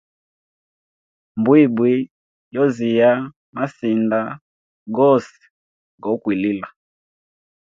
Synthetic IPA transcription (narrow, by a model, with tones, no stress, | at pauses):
mbwi˦˨bwi˨˦ | jɔ˦zi˨ja˦ | ma˦si˨nda˦ | ɡɔ˦sɛ̥˨ | ɡɔ˨˦kwi˨li˦la˨